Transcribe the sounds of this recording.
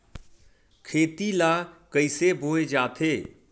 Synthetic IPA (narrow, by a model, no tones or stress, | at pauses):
kʰeːt̪ilakəɪsebʱoːed͡ʒaːt̪ʰeː